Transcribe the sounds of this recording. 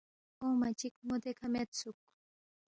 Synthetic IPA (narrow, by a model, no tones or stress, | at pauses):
ʊmat͡ʃɪkmʊt̪ekamat͡sʊk